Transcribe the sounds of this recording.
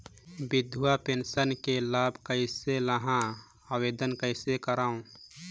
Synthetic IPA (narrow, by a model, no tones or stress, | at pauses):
bɪd̪ʱuapeːnsənkelaːbʱkəɪseləɦã | aweːd̪ənkəɪsekəɾaːũ